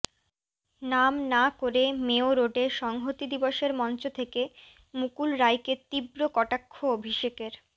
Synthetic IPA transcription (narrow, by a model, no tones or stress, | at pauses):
namnakoɾemeoɾoɖeʃɔŋɦot̪id̪iboʃeɾmɔnt͡ɕot̪ʰeke | mukulɾajket̪ibɾokɔʈakʰːoobʱiʃekeɾ